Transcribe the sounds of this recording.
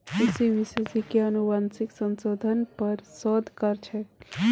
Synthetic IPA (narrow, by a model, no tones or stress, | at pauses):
tisiʋisesikeənubansiksənsod̪ʱənpəɾsɔd̪ʱkəɾt͡ʃʰɛ